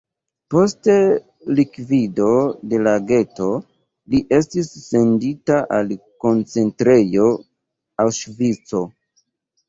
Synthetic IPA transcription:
po̞ste | likvido̞de̞laɡe̞to̞ | liʔe̞stisːe̞nditaʔalko̞nt͡se̞ntɾe̞jo̞ | awʃvit͡so̞

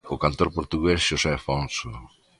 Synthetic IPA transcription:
ʊkant̪oɾpoɾt̪uɣesʃosɛfonso

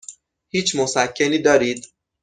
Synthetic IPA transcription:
hiːt͡ʃʰmosækʰːeniːd̪ɒːɾiːd̪

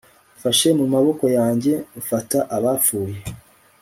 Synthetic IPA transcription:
faʃe̞mumaβo̞ko̞jaːɲɟe̞ufataʔaβaːp͡fuːje̞

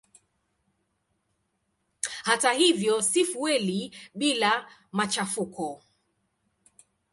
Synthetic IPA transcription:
hatahivjɔsifuwɛliɓilamat͡ʃafukɔ

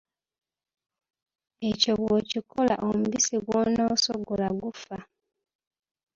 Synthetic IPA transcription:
e̞coβociko̞la̰ʔomuβisiɡwonaosoɡolaɡufa

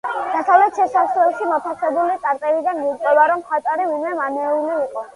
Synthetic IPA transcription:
d̥̪at̪ʰalɛt̪ʃɛsaslɛlˠʃimɔt̪ʰasɛbulit͡s̪ʼaɾp̪ʼɛbid̪anmiut̪ʼɔbaɾɔmχat̪ʼaɾivinwɛmanɛuliuqʼɔ

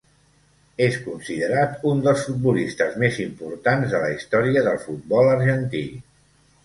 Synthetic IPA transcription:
eskunsiðəɾat̪und̪əlˠsfut̪̚bulist̪əzmezimpuɾt̪anzðələist̪ɔɾiəðəlˠfut̪̚bɔləɾʒənt̪ḭ

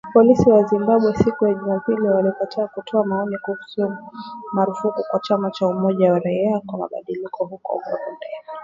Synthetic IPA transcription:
pɔlisiwazimbaɓwɛsikujaʄumapiliwalipatiakutʰɔamaɔnikuhusumaɾufukukwat͡ʃamat͡ʃaumɔʄawaɾaiakwama̰ɓa̰ɗilikʰɔɦukɔ̰ɡɔ̰ɾɔndɛ

